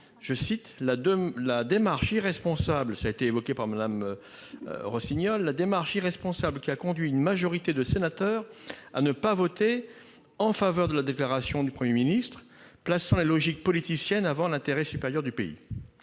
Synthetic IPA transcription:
ʒ̥əsit̪lalad̪emaʁʃiʁɛspɔ̃sablsaːet̪eːvɔkʲepaʁmad̪am̰ | ʁɔsiɲɔlːad̪emaʁʃiʁɛspɔ̃sablkʲiakɔ̃d̪ɥiynmaʒɔʁit̪ed̪əsenat̪œːʁa̰nəpavɔt̪e | ɑ̃favœʁd̪əlad̪eklaʁasjɔ̃d̪ypχəmjeminist̪χ | plasɑ̃lelɔʒik̚pɔlit̪isjɛnavɑ̃lɛ̃t̪eʁɛsypeʁjœʁd̪ypeḭ

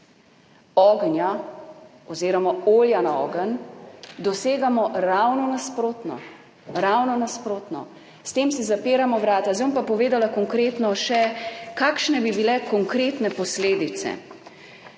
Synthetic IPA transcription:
ɔːɡnja | ɔziːɾɔmaoːljanaɔ̰ːɡənd̪ɔseːɡamɔɾawnɔnaspɾoːt̪nɔ̰ | ɾawnɔnaspɾoːt̪nɔ̰ | st̪eːmsizapeːɾamɔʋɾaːt̪azompapɔʋeːd̪alakɔŋkɾeːt̪nɔʃɛkaːkʃnɛbibilɛkɔŋkɾeːt̪nɛpɔsleːd̪it̪sɛ̰

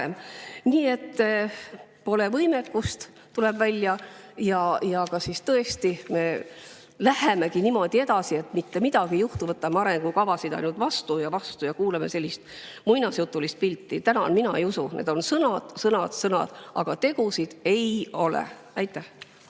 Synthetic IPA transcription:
emniːe̞t̪ː | po̞levɤjme̞kːust̪ | t̪ulɛbvælʲjɑjɑjɑkɑsist̪ɤe̞st̪ime̞ | læheme̞kinimo̞d̪̥ie̞d̪̥ɑsie̞t̪mit̪ːemid̪̥ɑɡ̥ijuht̪uvɤt̪ːˑɑmeɑɾe̞ŋɡ̥ukɑvɑsid̪ɑ̰jnult̪vɑst̪ujɑvɑst̪ujɑkuːleme̞se̞lʲːist̪ | mujnɑsjut̪ˑːulist̪̚pilʲt̪ːit̪ænɑnminɑejusunʔe̞̰d̪̥o̞nsɤnɑd̪̥sɤnɑd̪̥sɤnɑ̰d̪̥ʔɑ̰ɡ̥ɑt̪e̞ɡ̥usid̪̥e̞jo̞lḛ | æjt̪ːˑæh

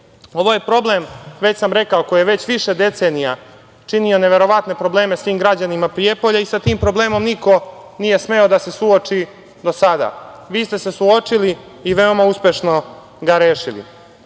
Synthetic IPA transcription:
o̞ʋo̞je̞pɾo̞ble̞mʋe̞t͡ɕsamɾe̞kaoko̞jijeʋe̞t͡ɕʋiʃe̞d̪e̞t̪seːnija | t͡ʂinio̞ne̞ʋe̞ɾo̞ʋat̪ne̞pɾo̞ble̞ːme̞sʋiːmɡɾad͡ʑanimapɾijepo̞ʎaisat̪iːmpɾo̞ble̞ːmo̞mniko̞ | nije̞sme̞od̪ase̞suot͡ʂi | d̪o̞sad̪a̰ːʋiːst̪e̞se̞suo̞t͡ʂiliː | ʋeo̞mauspʲje̞ʃno̞ | ɡaɾeːʃilḭ

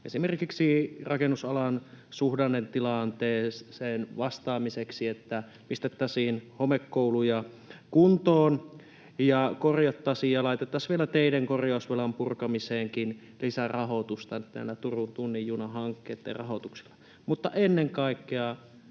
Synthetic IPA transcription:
ʔesimerkiksirɑkenːusɑlɑnsuhdɑnːent̪ilɑnt̪eːseːnʋɑst̪ɑːmiseksiet̪ːæ | pist̪et̪ːæsiːnhomekːoulujɑ | kunt̪oːn | jɑkorjɑt̪ːɑsiːjjɑlɑˑit̪et̪ːɑsʋielæt̪eideŋkorjɑˑusʋelɑmpurkɑmiseːŋkin | lisærɑhot̪ust̪ɑnt̪ːnæ̰nːæt̪urunt̪unːijjuːnɑhɑŋkːeːt̪ːḛrɑhot̪uksi̥lːɑ | mut̪ːɑʔenːeŋkɑˑikːeɑ

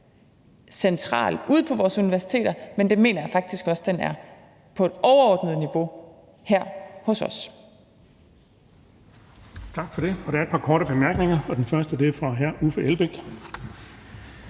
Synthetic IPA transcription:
sent͡sʰʁɑ̰̈ːluð̰ˠpʰɒ̽ʋɒːsuniʋæɐsi̥t͡sʰḛːdɐmend̥enme̝ːnɐjafɑ̈ɡ̥̚d̥isɡ̥ɒ̽sd̥enæɐ | pʰɒ̽e̝d̥ɒʊɐɒːd̥nəð̞̩ˠniʋo̝ | hæɐ̰hɔ̽sɒ̽s | t͡sʰɑ̈ɡ̥fɒ̽ɾ̥e̝ɒ̽d̥æ̈ɐe̝d̚pʰɑ̈kʰɒːɾəb̥e̝mæɐɡ̥ne̝ŋɐɒ̽d̥enfɶɐsd̥əd̥e̝fʁɑ̈ɦæɐufəʔelb̥eɡ̥

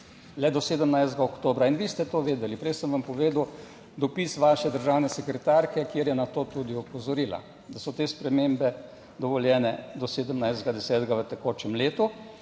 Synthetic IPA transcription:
lɛd̪ɔseːd̪əmnajzd̪ɡaokt̪oːbɾainʋiːst̪ɛt̪oːʋeːd̪ɛlipɾɛjsəmʋampɔʋeːd̪əw | d̪ɔpisʋaːʃɛd̪əɾʒawnɛsɛkɾɛt̪aɾkɛkjeːɾjɛnat̪oːt̪ud̪iɔpɔzɔɾiːla̰ | d̪asɔt̪eːspɾɛmembɛ | d̪ɔʋɔljɛːnɛd̪ɔseːd̪əmnajzd̪ɡad̪ɛsɛːt̪ɡaʋət̪ɛkoːt͡ʃɛmleːt̪u

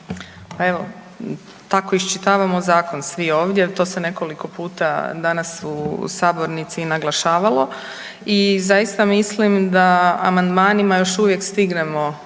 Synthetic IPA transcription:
pae̞ʋo̞ | t̪ako̞ist͡ʃit̪aːʋamozaːko̞nsʋio̞ːʋd̪jet̪o̞ːse̞ne̞ko̞liko̞puːt̪ad̪anasusaːbo̞ɾnit̪sinaɡlˠaʃaːʋalˠo̞ | izajist̪amislimd̪aa̰mand̪maːnimajo̞ʃuʋje̞kst̪iɡnemo̞

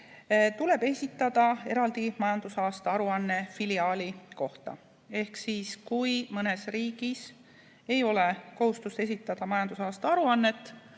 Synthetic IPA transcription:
t̪ule̞b̥e̞sʲit̪ːˑɑd̪̥ɑe̞ɾɑld̪imɑjɑnd̪̥usɑːst̪ɑɑɾuɑnːe̞filiɑːliko̞ht̪ɑ̰ | e̞hksiːskujmɤne̞sriːɡ̥is | e̞jo̞le̞ko̞hust̪ust̪e̞sit̪ːˑɑd̪̥ɑmɑjɑnd̪̥usɑːst̪ɑɑɾuɑnːe̞t̪ːˑ

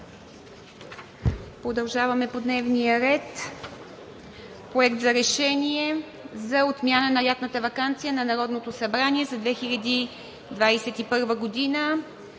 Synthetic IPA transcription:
pɾod̪ɐlˠʒavɐmɛpod̪nɛvnijəɾɛt̪ | pɾoɛkt̪zɐɾɛʃɛniɛ | zɐot̪mʲjanənɐjat̪nət̪əvɐkant̪sijənɐnɐɾɔd̪not̪osɐbɾaniɛzɐd̪vɛxilʲɐd̪i | d̪vajsɛt̪ipɤɾvəɡod̪inə

